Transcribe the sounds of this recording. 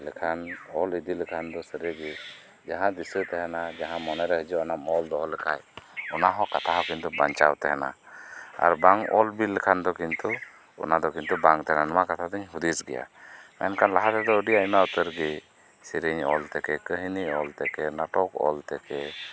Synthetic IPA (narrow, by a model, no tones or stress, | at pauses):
ləkʰanɔlid̪iləkʰand̪ɔsəɾəɡi | d͡ʒaɦãd̪isət̪ɛɦɛnad͡ʒaɦãmɔnɛɾɛɦəd͡ʒuanamɔld̪ɔɦɔlɛkʰa̰jɔnaɦɔ̃kat̪ʰaɦɔ̃kint̪ubaɲt͡ʃawt̪ɛɦɛna̰a̰ɾbaŋɔ̰lbiləkʰand̪ɔkint̪u | ɔ̰nad̪ɔkint̪ubaŋt̪ɛɦɛnanɔmakat̪ʰad̪əɲɦud̪isɡɛja̰mɛnkanlaɦat̪ɛd̪ɔəɖiamaut̪əɾɡi | siɾəɲɔ̰lt̪ɛkɛkəɦiniɔlt̪ɛkɛnaʈɔkɔ̰lt̪ɛkɛ